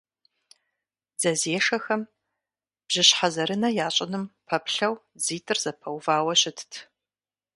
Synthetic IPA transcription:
z̥ɐzeːʂɐxɐm | b̥ʑ̥ɪɕħazɐɾɨnɐjaːɕʼɪnɨmpʰɐpɬɐw | ziːtʰɨrz̥ɐpʰɐwvaːwɐɕʼɪtʰtʰ

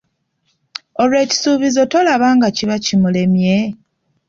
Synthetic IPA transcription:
olwe̞ːci̥suːβizo̞to̞laβaːŋɡaciβacimule̞mje̞

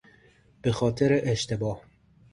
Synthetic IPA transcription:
b̥exɑːt̪ʰɛɾeʔeʃt̪ebɑːh

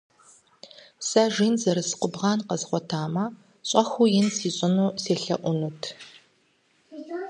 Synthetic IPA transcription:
saʒiːnzɐɾɨsɨ̥qʷʊbʁɑːnqɐzχʷɔtʰaːmɐ | ɕʼɐxʷujɪnsiːɕʷʼɪnuːseːɬɐ̰ʔʷʊnutʰ

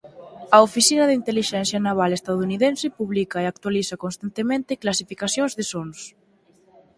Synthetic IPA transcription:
ɐofisinɐðint̪eliʃɛnθjanaβ̞alest̪aðuniðensepuβlikaeak̚t̪waliθakonst̪ant̪emẽnt̪eklasifikaθjonzðesons

